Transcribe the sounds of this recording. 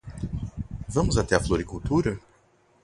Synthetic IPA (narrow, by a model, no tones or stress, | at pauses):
vɐ̃mʊzat̪ɛɐfloɾikuwt̪uɾɐ